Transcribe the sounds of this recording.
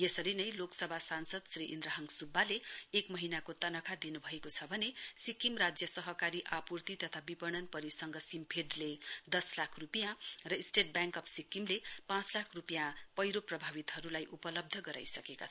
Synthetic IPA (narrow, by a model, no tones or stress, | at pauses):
jesʌɾinʌjloksʌbʱasansʌd̪sriʔind̪raɦʌŋɡsubːaleːkmʌɦinakot̪ʌnʌkʰad̪inubʱʌekot͡sʰʌbʱʌnesikːimrad͡zjʌsʌɦʌkaɾiʔapurt̪it̪ʌt̪ʰabipʌɽ̃ʌnpʌɾisʌŋɡʌsimpʰeɖled̪ʌslakʰrupjãrʌisʈeʈ̚bjaŋkʌpʰsikːimlepãt͡slakʰrupjãpʌjɾoprʌbʱabit̪ɦʌɾulajʔupʌlʌb̚d̪ʱʌɡʌɾa̰jsʌkeka̰t͡sʰ